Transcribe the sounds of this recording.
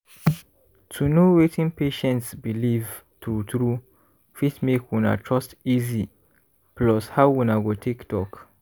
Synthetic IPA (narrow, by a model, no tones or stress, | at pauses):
tʰunowetʰĩnpeʃɛ̃ntsbiliv | t̪ɹutɹu | fitmekwuna̰tʰɹɔstizi | plɔshawwunaɡotʰiktʰɔk